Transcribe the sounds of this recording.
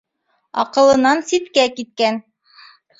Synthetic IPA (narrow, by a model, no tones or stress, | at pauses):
ɑ̰qɤ̆lˠɤ̆nɑnsit̪kækit̪̚kæn